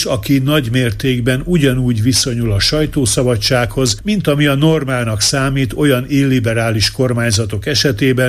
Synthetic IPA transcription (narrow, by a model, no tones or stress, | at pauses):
ʃɒkinɒɟmeːrt̪eːɡbɛnuɟɒnuːɟʋiso̞ɲulɒʃɒjt̪oːsɒbɒt͡ʃːaːkho̞zmint̪ɒmiɒno̞rmaːlnɒksaːmiːt̪o̞jɒnilːibɛɾaːliʃko̞rmaːɲzɒt̪o̞kɛʃɛt̪eːbɛ